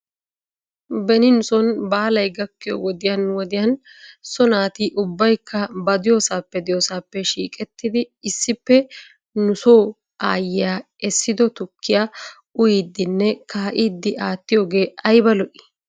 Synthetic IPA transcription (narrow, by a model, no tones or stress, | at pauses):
bɛnɪnʊsɔnbaːlɐjɡɐkːɪjɔ̰wɔd̪ɪjɐnwɔd̪ɪjɐnsɔnaːt̪iʔʊbːɐjkʰːɐbɐd̪ɪjoːsaːpːɛd̪ɪjoːsaːpːɛʃiːkʼɛt̪ːɪd̪ɪɪsːɪpːɛ | nʊsoː | ʔa̰ːjɪjaː | ɛsːɪd̪ɔt̪ʊkʰːɪja | ʊjiːd̪ːɪnːɛkaːʔiːd̪ːɪʔaːt̪ːɪjo̞ːɡe̞ːɐjbɐlɔʔɪ̥